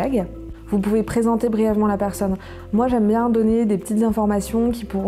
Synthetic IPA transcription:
ɛɡ | vupuvepχezɑ̃t̪ebʁijɛvmɑ̃lapɛʁsɔn | mwaʒɛmbjɛ̃d̪ɔned̪epə̥t̪it̪zɛ̃fɔʁmasjɔ̃kʲipuʁɔ̃

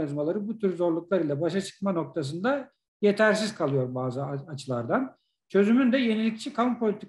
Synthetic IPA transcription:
nizmalˠaɾɯbut̪ʰyɾzo̞ɾlˠuklˠaɾɯlʲˠɛbaʃat͡ʃʰɯ̥kmano̞k̚t̪ʰas̬ɯnd̪a | je̞t̪ʰæɾsiz̥kʰalˠɯjo̞ɾbaːzɯat͡ʃʰɯlˠaɾd̪an | t͡ʃʰø̞zymynd̪ɛje̞nilʲict͡ʃʰikʰaumpʰo̞lʲit̪ʰikʰ

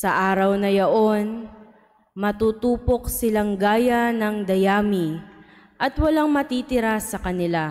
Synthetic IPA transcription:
sɐʔaːɾɐwnɐjɐʔo̞n | mɐt̪uːt̪uːpo̞k̚sɪlaŋɡaːjɐnɐŋd̪ɐjaːmi | ʔɐt̪wɐlaŋmɐt̪iːt̪ɪɾasɐkɐnɪla

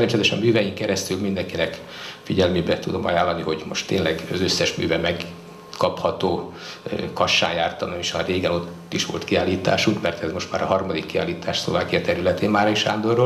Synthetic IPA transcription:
ɛnt͡ʃɛt̪ɛʃɛɒmyːvɛjiŋkɛɾɛst̪ylmind̪ɛŋkinɛk | fiɟɛlmeːbɛt̪ud̪o̞mɒjaːlːɒniho̞ɟmo̞ʃt̪ːeːnlɛɡɒzø̞sːɛʃmy̰ːvɛmɛɡ | kɒphɒt̪oː | kɒʃːa̰ːnjaːrt̪ɒnoeʃɒreːɡɛno̞t̪ːiʃʋo̞̰lt̪kiaːlːiːt̪a̰ːʃuŋkmɛrt̪ɛzmo̞ʃt̪maːɾɒɦɒrmɒd̪ikːia̰ːlːiːt̪ʰaːʃslo̞̰vaːkijɒt̪ɛɾylɛt̪eːmmaːɾeiʃaːnd̪oro

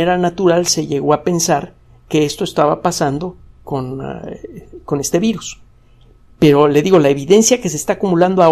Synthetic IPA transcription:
eɾanat̪uɾalse̞ʝe̞ɣo̞ape̞nsaɾ | ke̞est̪o̞est̪aβapasand̪o̞ko̞n | ko̞ne̞st̪e̞βiɾus | pe̞ɾo̞le̞ðiɣo̞lae̞βiðe̞nsjake̞s̬est̪aːkumuland̪oa

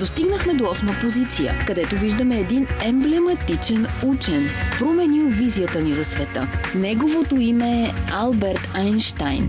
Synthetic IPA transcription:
d̪ost̪iɡnəxmɛd̪oɔsməpozit̪sijə̰kɐd̪ɛt̪oviʒd̪əmɛːd̪inɛmblɛmɐt̪it͡ʃɛnut͡ʃɛnpɾomɛnilˠvizijət̪ənizɐsvɛt̪ə̰nɛɡovot̪oimɛːalˠbɛɾt̪ajnʃt̪ajn

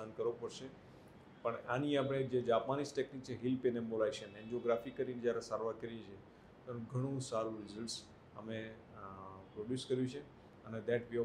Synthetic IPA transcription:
ankəɾʋopəɽʃe | pəɳaniapɽ̃ed͡ʒed͡ʒapmanisʈeknik̚t͡ʃʰeɦilpenemolaiʃemɛ̃nd͡ʒoɡɾafikːəɾined͡ʒjaɾesaɾʋaɾkəɾjẽt͡ʃʰe | t̪oaɾũɡʱəɽ̃ũsaɾũɾɪzəlʈs | əme | pɾoɖjuskəɾjũt͡ʃʰe | əned̪ɛʈʋi

